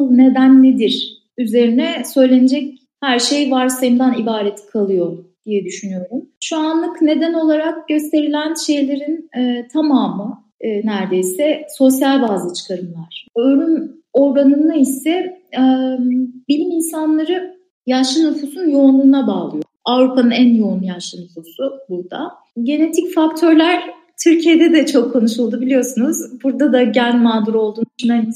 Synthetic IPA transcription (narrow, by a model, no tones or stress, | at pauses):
ne̞d̪ænːed̪iɾ̥ | yze̞ɾinɛsø̞jlʲe̞ned͡ʒɛc | hæɾʃe̞jvaɾsajɯmd̪anibaːɾet̪ʰi̥kʰalˠɯjo̞d̪̥ijɛd̪yʃynyjo̞ɾumʃuanlˠɯkne̞d̪æno̞lˠaɾakɟø̞st̪ʰe̞ɾilʲænʃe̞jlʲe̞ɾinɛːt̪ʰamaːmɯ | næɾd̪e̞jsɛso̞sjalʲbaːzɯt͡ʃʰɯ̥kʰaɾɯmlˠaɾ̥øɾyn | o̞ɾɡanɯnaisɛ | bilʲiminsanlˠaɾɯ | jaʃɯnufusunjo̞unlˠuːnabaːlˠɯjoafɾupʰanɯnænjounlːˠujaʃɯnufusubuɾd̪a | ɟe̞ne̞t̪ʰicfakt̪ʰø̞ɾlʲæɾ̥ | t̪ʰyɾcʰijed̪ɛd̪ɛt͡ʃʰo̞kʰːo̞nuʃɯlˠd̪ubilʲijo̞sunuzbuɾd̪ad̪aɟænmaːd̪uɾo̞lˠd̪uːʃynan